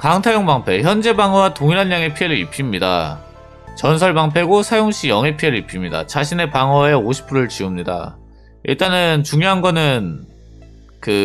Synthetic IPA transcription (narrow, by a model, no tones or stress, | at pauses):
kaŋtʰajoŋbaŋpʰe̞çjʌnd͡ʑe̞baŋʌwatoŋiɾɦanːaŋe̞pʰie̞ɾɯɾḭpʰimɲida̰ | t͡ɕʌnsʰʌɭbaŋpʰe̞ɡosʰajoŋɕʰijʌŋe̞pʰie̞ɾɯɭipʰimɲida̰t͡ɕaɕʰine̞paŋʌe̞oɕʰi̥pʰɯɾɯɭt͡ɕiumɲida̰ | ḭɭt͈anɯnt͡ɕuŋjoɦanɡʌnɯn | kɯ